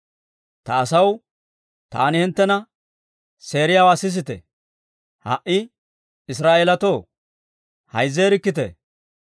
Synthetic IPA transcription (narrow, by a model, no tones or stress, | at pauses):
t̪ɐːsɐw | t̪a̰ːnɪhɪnt̪ːɛnɐ | se̞ːɾɪjaːwaːsɪs̬ɪt̪ɛ̰ | hɐ̰ʔɪ | ɪs̬ɾaːʔelɐt̪oː | hɐjzːeːɾɪkːɪt̪ɛ̰